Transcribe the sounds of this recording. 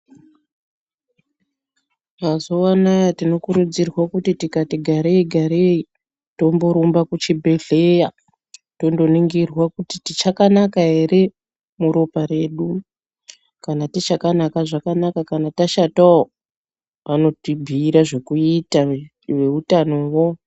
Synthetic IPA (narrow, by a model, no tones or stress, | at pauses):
kazoanajatino̞kuɾud͡zirwakutitikatiɡʱaɾeiɡʱaɾei | to̞mboɾumbakut͡ʃibʱe̞ɮeja | to̞ndo̞niŋɡirwakutitit͡ʃakanakaɦe̞ɾe̞ | muɾopaɾe̞ːɗu | kanatit͡ʃakanakaʐakanakakanataʃatao | ʋano̞tibʱiːɾaʐe̞kuita | ʋe̞utano̞wo